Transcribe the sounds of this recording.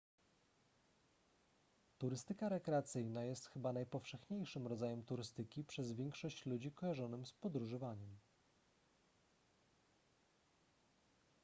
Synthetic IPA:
t̪uɾɘst̪ɘkaɾɛkɾɛat̪sɘjnajɛst̪xɘbanajpɔfʂɛxɲejʂɘmɾɔd̪zajɛmt̪uɾɘst̪ɘkʲipʂɛzvʲjɛŋkʂɔɕt͡ɕlud͡ʑikɔjaʐɔnɘmspɔd̪ɾuʐɨvaɲɛm

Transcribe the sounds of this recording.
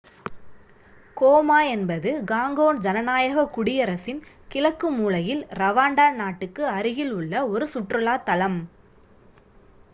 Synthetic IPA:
koːmaːɛnbɐðɯɡaːŋɡoːnd͡ʒɐnɐnaːjɐɣɐkʊɽɪjɐɾɐsɪn | kɪlɐkːɯmuːlɐjɪlɾɐʋaːɳɖaːnaːʈːɯkːɯɐɾɪɣɪlʊɭːɐɔɾɯsʊʈrɯlaːt̪ɐlɐm

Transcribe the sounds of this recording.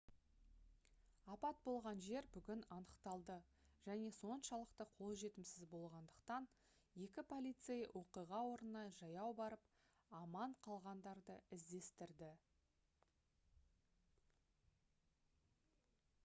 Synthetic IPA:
ɑpɑt̪̚bo̞lˠʁɑnʒe̞ɾbʏɡʲɪnɑnəqt̪ɑlˠd̪ə | ʒ̥æne̞so̞nʃɑlˠəqt̪əqʰo̞lˠʒe̞t̪ɪmsɪzbo̞lˠʁɑnd̪əqt̪ɑn | je̞kʲɪpʰo̞lʲijt̪sejwʔo̞qijʁɑwo̞ɾənənɑʒɑjɑwbɑɾəp | ɑmɑɴqʰɑlˠʁɑnd̪ɑɾd̪əɪzd̪e̞st̪ɪɾd̪ɪ

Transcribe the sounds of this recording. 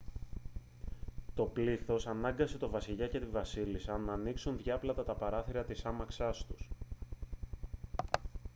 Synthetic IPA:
t̪o̞pliθo̞sɐnɐŋɡɐse̞t̪o̞vɐsiʎɐce̞t̪ivɐsilisɐnɐːniksunðʝɐplɐt̪ɐt̪ɐpɐɾɐθiɾɐt̪isɐmɐksɐst̪us

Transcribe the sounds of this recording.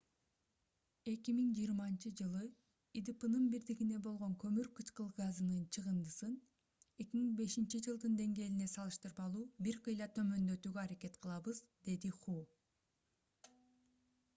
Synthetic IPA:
e̞kimiŋd͡ʒijːɾmɑnt͡ʃɯd͡ʒɯlˠɯ | id̪ipɯnɯnbiɾd̪iɡine̞bo̞lˠʁo̞ŋkʰø̞myɾkɯt͡ʃqɯlˠɡazɯnɯnt͡ʃʰɯʁɯnd̪ɯsɯn | e̞kʲimiŋbe̞ʃint͡ʃid͡ʒɯlˠd̪ɯnd̪e̞ŋɡe̞ːline̞sɑlˠɯʃt̪ɯɾbɑlˠuːbiɾqʰɯjlˠɑt̪ʰø̞mø̞nd̪ø̞t̪yːɡøɑɾake̞t̪qʰɯlˠɑβɯzd̪e̞d̪iχu

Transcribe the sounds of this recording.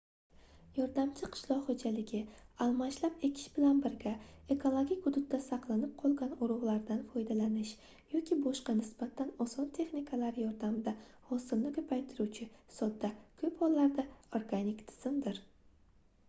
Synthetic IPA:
jɒɾd̪amt͡ʃʰɪqʰɨ̥ʃlˠɒʁhod͡ʒalɪɡʲɪalˠmaʃlape̞kʲʰɪ̥ʃbɪlanbɪɾɡʲae̞kʰo̞lˠoɡʲikʲhʊd̪ʊt̪̚d̪ːasɑqlˠanɪp̚qʰɒlˠɡʲanʊɾʊʁlˠaɾd̪anfɒjd̪alanɪʃ | jɒkʲʰibɒʃqɑnɪsb̥at̪ʰanɒsɒnt̪ʰe̞χnikʰalaɾjɒɾd̪amd̪ahɒsɪlnɪkʲʰɵpʰajt̪ʰɪɾuwt͡ʃʰɪsɒd̪ːakʰɵphɒlːaɾd̪aoɾɡanɪkt̪ʰɪ̥z̥ɪmd̪ɪɾ

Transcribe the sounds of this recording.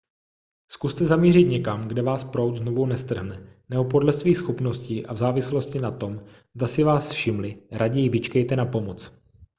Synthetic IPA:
skust̪ɛzamiːrɪt̪ɲɛkamɡdɛvaːspɾowt̪zno̞vownɛst̪r̩ɦnɛnɛbopo̞dlɛsviːxsxopno̞scɪʔavzaːvɪslo̞scɪnat̪o̞m | zd̪asɪvaːsfʃɪmlɪɾaɟɛjɪvɪt͡ʃkɛjt̪ɛnapo̞mot͡s

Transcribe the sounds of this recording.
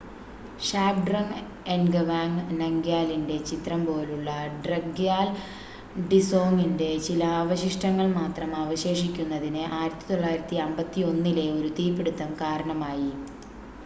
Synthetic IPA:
ɕaːpɖrɐŋ | enɡɐʋaːŋnɐŋɡjaːlinde̞t͡ɕit̪rɐmpo̞ːluɭːɐɖrɐɡjaːl | ɖiso̞ːŋinde̞t͡ɕilɐaːʋɐɕiʂʈɐŋːɐɭmaːt̪rɐmɐʋɐɕe̞ːʂikʲːunːɐðinɨʔaːjɾɐt̪ːi̥t̪o̞ɭːaːjiɾɐt̪ːiɐmbɐt̪ːio̞nːile̞o̞ɾut̪iːpːeɽut̪ːɐmkaːɾɐɳɐmaːji

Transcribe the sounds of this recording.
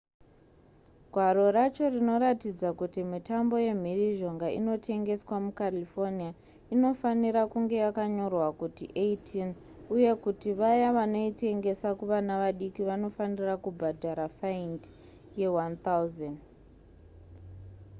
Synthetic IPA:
ɡʱwaɾo̞ɾat͡ʃo̞rino̞ɾatid͡zakutimitambo̞je̞m̤iriʒo̞ŋɡaḭno̞tʰe̞ŋɡe̞swamukalifo̞nia | ino̞faniɾakuŋɡe̞jakaɲo̞rwakutiʔeitʰinuje̞kutiʋajaʋano̞ite̞ŋɡe̞sakuʋanaʋaɗikiʋano̞fanirakubʱadʱaɾafaind | je̞want̪auzand

